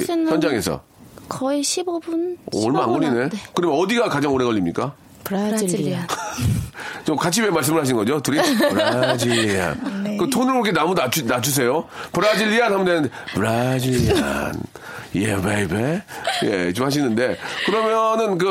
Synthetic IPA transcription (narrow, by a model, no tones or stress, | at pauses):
jʌnd͡ʑaŋe̞sʰʌ̰ | kʌiɕʰibobunʌ̰ɭmaanɡoɾine̞kɯɾʌmjʌnʌdiɡakad͡ʑaŋoɾe̞ɣʌʎːimɲik͈a | p | t͡ɕomkat͡ɕʰiwemaɭs̬͈ɯmɯɭhaɕ̬ʰinŋɡʌd͡ʑotuɾiad͡ʑilːia̰nkɯtʰonɯɾkɯɾʌkʰenamunat͡ɕʰunad͡ʑus̬ʰe̞jopɯɾad͡ʑiʎːianhamɯndenɯndepɯɾad͡ʑilːia̰n | jebebejḛt͡ɕomhaɕ̬ʰinːɯnde̞kɯɾʌmjʌnɯnk̬ɯ